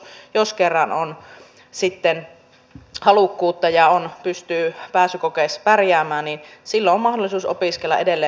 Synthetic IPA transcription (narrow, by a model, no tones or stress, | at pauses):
joskerːɑnon | sit̪ːen | hɑlukːuːt̪ːɑjɑonpyst̪yːpæːsykokeˑspærjæːmæːnninsilːoommɑhdolːˑisuːso̰piskelːɑ̰ʔedelːeː